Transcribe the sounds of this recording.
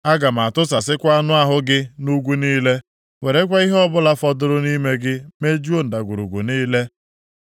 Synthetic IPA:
a˦ɡa˨m˨a˨tʊ˦sa˨sɪ˦kʷa˦nʊ˦a˦ɦʊ˦ɡɪ˦nu˦ɡʷu˦niː˦le˦ | we˨ɾe˦k̬ʷa˦i˦ɦɔ˦bʊ˦la˦fɔ˦dʊ˦ɾʊ˦ni˦me˦ɡɪ˦me˦d͡ʒu˦o˦n̩˨da˨ɡʷu˨ɾṵ˨ɡʷṵ˨niː˦le˦

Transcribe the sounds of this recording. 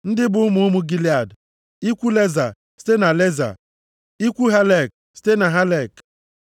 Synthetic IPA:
n̩˦dɪ˦bʊ˨˦mʊ˦ʊ˦mʊ˦ɡi˦li˦a˨d | i˦kʷu˦le˦za˨ | si̥˦te˦na˨le˦za̰˨ | i˦kʷu˦ɦa˦le˨k̚ | si̥˦te˦na˨ɦa˦le˨k

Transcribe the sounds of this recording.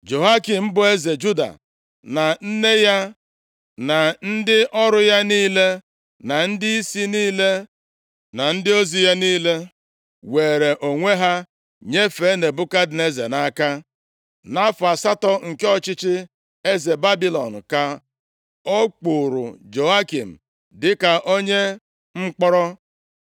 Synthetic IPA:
d͡ʒo˨ɦa˦ki˨m̩˦bʊ˨e˦ze˨d͡ʒu˦da̰˨ | na˨n̩˦ne˦ja˦ | na˨n̩˦dɪ˦ʔɔ˦ɾʊ˦ja˦niː˦le˦ | na˨n̩˦dɪ˦i˦si˦niː˦le˦ | na˨n̩˦dɪ˦o˦zi˨ja˦niː˦le˦ | we˨ɾe˨ʔo˨ŋʷe˦ɦa˦ | ɲe˦fe˨˦ne˨bʊ˦ka˦dɪ˨ne˦zḛ˨na˦ka˦ | na˦fa˨sa˦tɔ˦ŋ̩˨ke˦ɔ˦t͡ʃɪ˦t͡ʃɪ˦ | e˦ze˨ba˦bi˦lɔ˨n̩˨ka˨ | o˦k͡pu˨ɾʊ̰˨d͡ʒo˨a˦ki˨m̩˨ | dɪ˦ka˨ʔo˦ɲe˦ | ŋ͡m̩˦k͡pɔ˦ɾɔ˦

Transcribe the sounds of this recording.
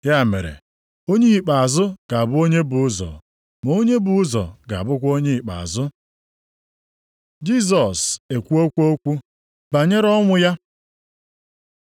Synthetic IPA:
ja˦˨mḛ˨ɾḛ˨ | o˦ɲe˦i˨k͡pa˨a˨zʊ˦ɡ̥a˨a˨bʊ˦o˦ɲe˦bʊ˨ʊ˦zɔ̰˨ | m˨o˦ɲe˦bʊ˨ʊ˦zɔ̰˨ɡa̰˨bʊ˦kʷo˦ɲe˦i˨k͡pa̰˨a̰˨zʊ˦ | d͡ʒi˦s̬ɔ˨se˨kʷu˦o˦kʷu˦o˦kʷu˦ | ba˨ɲe˦ɾɔ˦ŋʷʊ˦ja˦

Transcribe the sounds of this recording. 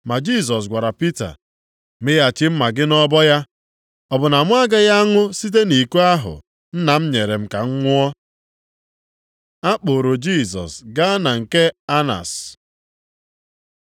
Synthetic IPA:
ma˨d͡ʒi˦˨s̬ɔ˨s̬ɡʷa˨ɾa˨pi˦ta̰˨ | mɪ˦ja˨t͡ʃɪ˦m̩˦ma˨ɡɪ˦nɔ˦bɔ˦ja˦ | ɔ˨bʊ˨na˨mʊ˦a˦ɡa˦ja˦ŋʊ˦si˦t̬e˦ni˨ku˦a˦ɦʊ̰˨ | n̩˦na˨m̩˦ɲe˨ɾe˨m̩˦ka˨ŋ̩˦ŋʷʊ˦ɔ˦ | a˦k͡po˨ɾo˨d͡ʒi˦˨s̬ɔ̰˨sɡa˦na˨ŋ̩˨ke˦a˦na̰˨s

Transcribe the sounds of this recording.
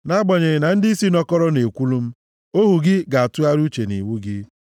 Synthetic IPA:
na˦ɡ͡bɔ˨ɲe˨ɾɪ˨na˨n̩˦dɪ˦si˦nɔ˦kɔ˦ɾɔ˦ne˨kʷu˦lu˦m̩˦ | o˦ɦu˨ɡɪ˦ɡa˨a˨tʊ˦a˦ɾu˦t͡ʃe˨nḭ˨wu˦ɡɪ˦

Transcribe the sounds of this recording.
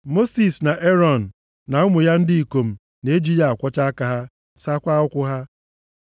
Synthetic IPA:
mo˦si˨sna˨ʔe˦ɾɔ˨n̩˨ | na˨ʊ˦mʊ˨ja˦n̩˦dɪ˦i˨ko˨m̩˨ | ne˦d͡ʒi˦ja˦a˨kʷɔ˦t͡ʃa˦ka˨ɦa˦ | sa˦kʷa˦ʊ˦kʷʊ˦ɦa˦

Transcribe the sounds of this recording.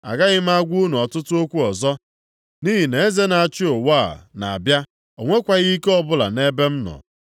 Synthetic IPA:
a̰˨ɡa˦ɣɪ˦m̩˦a˦ɡʷu˦nu˨ɔ˨tʊ˦tʊ˦o˦kʷu˦ɔ˨zɔ˦ | ni˦ɦi˨ne˨e˦ze˦na˨a˨t͡ʃɪ˦o˨waː˦˨na˨a˨bja˦ | o˨ŋʷe˦kʷa˨ɣi˦i˦ke˦ɔ˦bʊ˦la̰˨ne˦be˦m̩˦nɔ̰˨

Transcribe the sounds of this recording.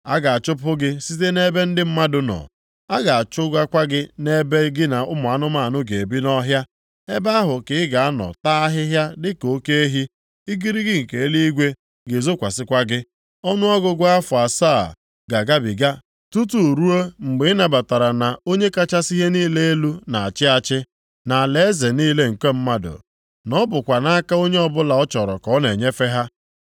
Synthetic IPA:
a̰˦ɡa˨a˨t͡ʃʊ˦pʊ˦ɡɪ˦si˦t̬e˦ne˦be˦n̩˦dɪ˦m̩˦ma˦dʊ˦nɔ̰˨ | a˦ɡa˨a˨t͡ʃʊ˦ɡʷa˦kʷa˦ɡɪ˦ne˦be˦ɡɪ˦na˨ʊ˦mʊ˨a˨nʊ˦ma˦a˨nʊ˦ɡe˨e˨bi˦nɔ˦ɦja˦ | e˦ba˦ɦʊ˨kɪ˨ɪ˦ɡa˨a˦nɔ̰˨ta˦a˦ɦɪ˦ɦja˦dɪ˦ko˦ke˦e˦ɦi˦ | i˦ɡi˦ɾi˦ɡɪ˦ŋ̩˨ke˨e˦li˦i˦ɡʷe˦ | ɡɪ˨zo˦kʷa˨sɪ˦kʷa˦ɡɪ˦ | ɔ˦nʊ˦ɔ˦ɡʊ˦ɡʷa˦fʊ˨a˨sa˦˨ | ɡa˨ɡa˦bi˨ɡa˦ | tu˦tu˦˨ɾu˦o˦ŋ͡m̩˨ɡ͡bɪ˨ɪ˦na˨ba˨ta˨ɾa˨na˨o˦ɲe˦ka˦t͡ʃa˦si˦ɦe˦niː˦le˦e˦lu˦na˨a˨t͡ʃɪ˦a˦t͡ʃɪ˦ | na˨le˨e˦ze˨niː˦le˦ŋ̩˨ke˦m̩˦ma˦dʊ̰˨ | nɔ˦bʊ˨kʷa˨na˦a˦ka˦o˦ɲe˦ɔ˦bʊ˦la˨ɔ˦t͡ʃɔ˨ɾɔ˨kɔ˨˦ne˨ɲe˦fe˦ɦa˦

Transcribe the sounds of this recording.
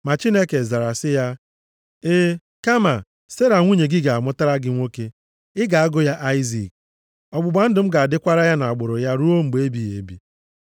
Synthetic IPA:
ma˨t͡ʃi˦ne˦ke˨za˨ɾa˨sɪ˦ja˦ | e˦ | ka˦ma˨ | se˦ɾa˨ŋʷu˦ɲe˨ɡɪ˦ɡa˨a˨mʊ˦ta˦ɾa˦ɡɪ˦ŋʷo˦ke˦ | ɪ˦ɡa˨a˦ɡʊ˦ja˦ʔa˦ɪ˦zi˨k̚ | ɔ˨ɡ͡bʊ˨ba˨n̩˦dʊ˨m̩˦ɡa˨a˨dɪ˦kʷa˦ɾa˦ja˦na˨a˨ɡ͡bʊ˨ɾʊ˨ja˦ɾu˦o˦ŋ͡m̩˨ɡ͡be˨˦bi˨jḛ˨bḭ˨

